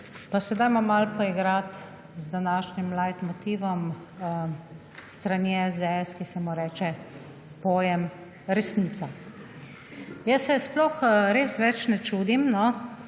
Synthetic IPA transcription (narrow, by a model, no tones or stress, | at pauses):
pasɛd̪ajmamalpoiɡɾat̪ | zd̪anaːʃnimlajt̪mɔt̪iːʋɔm | st̪ɾanɛɛzd̪ɛɛskisɛmuɾɛːt͡ʃɛ | poːjɛm | ɾɛsniːt̪sa | jəsːɛsplɔxɾeːsʋɛt͡ʃnɛt͡ʃud̪imnɔ